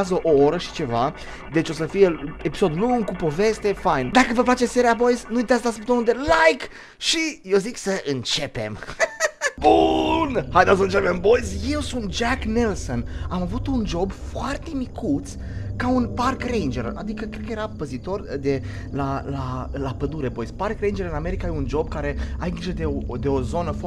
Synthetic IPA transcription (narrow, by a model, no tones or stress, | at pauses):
zəʔooɾəʃi̥t͡ʃe̞va | d̪e̞t͡ʃo̞səfije̞epi̥so̞d̪luŋɡkupo̞ve̞st̪e̞fajnd̪akəvəplat͡ʃe̞se̞ɾiabo̞jznuit̪asd̪asup̚t̪omud̪e̞lajk | ʃijewziksəʔɨnt͡ʃe̞pe̞̰m | bunhajd̪as̬əɨnt͡ʃepembo̞jzje̞wsunt̪̚d͡ʒaknelsonamavut̪und͡ʒo̞bfoart̪e̞mikʰut̪s | kaunparkrejnd͡ʒeɾa̰d̪ikəkɾed̪̚kəjeɾapəzit̪o̞rd̪e̞lalalapəd̪uɾe̞bo̞jsparkre̞jnd͡ʒe̞ɾɨname̞ɾikaund͡ʒo̞b̚kaɾe̞ait͡ʃəd̪eod̪e̞o̞zo̞nəf